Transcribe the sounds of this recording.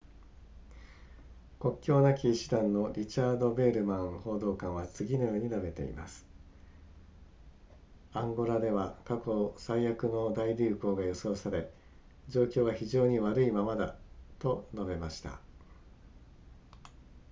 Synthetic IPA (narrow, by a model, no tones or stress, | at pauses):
ko̞kʲːo̞ːnakʲiːɕi̥d̪ãnːo̞ɾʲit͡ɕaːd̪o̞be̞ːɾɯ̟mãŋ̃ho̞ːd̪o̞ːkãɰ̃βat͡sɨɡʲino̞jo̞ːɲ̟inabe̞t̪e̞̰ḭma̰sɨ̥ | ãŋɡo̞ɾad̪e̞βakako̞saijakɯ̟no̞d̪aiɾʲɨːko̞ːɡajo̞so̞ːsaɾe̞ | d͡ʑo̞ːkʲo̞ːβaçiʑo̞ːɲ̟iβaɾɯ̟imamad̪a̰t̪o̞no̞be̞maɕi̥t̪a̰